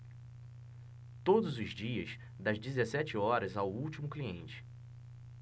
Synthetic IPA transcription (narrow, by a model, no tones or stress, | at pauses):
t̪od̪ʊzʊzd͡ʒiɐs | d̪ɐzd͡ʒizesɛt͡ʃɪɔɾɐzawuwt͡ʃimʊkliḛ̃nt͡ʃɪ̥